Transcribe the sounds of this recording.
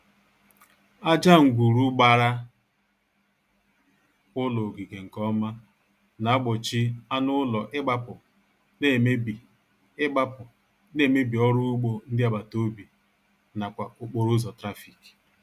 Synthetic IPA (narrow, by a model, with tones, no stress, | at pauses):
a˦d͡ʒa˦ŋ̩˨ɡʷu˨ɾu˦ɡ͡ba˨ɾa˦ | ʊ˦lɔ˨ɡi˨ɡe˨ŋ̩˨kɔ˦ma˦ | na˨a˦ɡ͡bʊ˨t͡ʃi˦a˦nʊ˦lɔ˨ʔɪ˦ɡ͡ba˦pʊ˨ | ne˦˨m˦i˨ | ɪ˦ɡ͡ba˦pʊ˨ | ne˦˨me˦bi˨ɔ˦ɾʊ˦ʊ˦ɡ͡bo˦n̩˦dɪ˦a˨ba˨to˦bi˨ | na˨kʷa˨ʊ˦k͡po˨ɾʊ˦zɔ˨tɾa˦fi˨ki̥˨